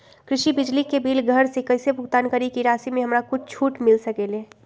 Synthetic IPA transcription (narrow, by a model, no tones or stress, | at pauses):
kɾɪʃibɪd͡ʒlikebiːlɡʱəɾsekəɪsebʱʊɡt̪aːnkəɾikiɾaːsimẽɦəmɾakʊt͡ʃʰt͡ʃʰuːʈmɪlsəkele